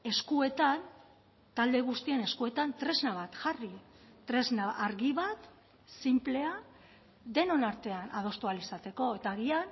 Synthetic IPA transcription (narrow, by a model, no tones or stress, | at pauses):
e̞skue̞t̪an | t̪ald̪e̞ɣ̞ust̪ie̞ne̞skue̞t̪ant̪ɾe̞znaβ̞at̪ʝari | t̪ɾe̞znaʔaɾɣiβat̪ | simple̞a | d̪e̞no̞naɾt̪e̞anʔað̞o̞st̪oalisat̪e̞ko̞e̞t̪aːɣian